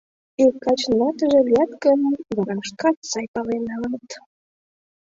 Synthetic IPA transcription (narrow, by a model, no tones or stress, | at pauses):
ilkɑt͡ɕnlɑt̪əʒĕliɑt̪kəmd̪ɑɾɑʃkɑt̪sɑjpɑlenɑlɑnət̪